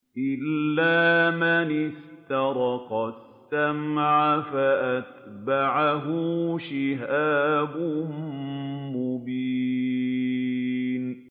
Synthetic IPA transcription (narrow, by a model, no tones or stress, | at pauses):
ʔɪlːaːmanɪst̪ɑɾˤɑqɑs | t̪ːamʕafaʔat̪baʕaɦʊʃɪɦaːbʊ | mʊbiː | n